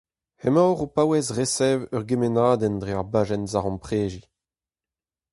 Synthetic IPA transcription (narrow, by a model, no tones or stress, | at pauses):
hɛmawʁopawɛsʁesɛːvœʁɡemenaːdɛndʁeaʁbaːʒɛnzaʁɔ̃npχeːʒi